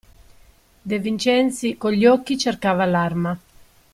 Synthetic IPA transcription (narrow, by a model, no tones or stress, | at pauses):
d̪evint͡ʃɛnt̪sikoʎːɔkːit͡ʃerkaːvalarma